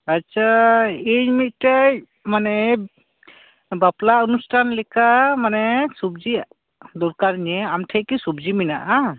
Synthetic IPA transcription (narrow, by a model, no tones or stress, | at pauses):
atsʰaimit̪̚taj | manɛ | baplaunusʈʰanlɛkʰamanɛsub̚zi | d̪ɔɾkaɾnɛamʈʰajkisub̚ziminaʔa